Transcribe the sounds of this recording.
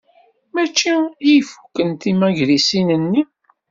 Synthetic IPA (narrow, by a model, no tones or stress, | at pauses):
mæt͡ʃːijifu̥kːənt̪imæʝɾisinənːi